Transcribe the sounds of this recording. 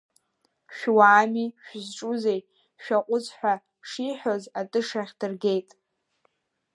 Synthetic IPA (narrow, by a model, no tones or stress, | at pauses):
ʃᶣwaːmiʃᶣzʈ͡ʂʼuze̞j | ʃᶣaqʷʼʊzħʷᶣa | ʂiħozatʼɨʂaχʲdɨrɡʲe̞jtʼ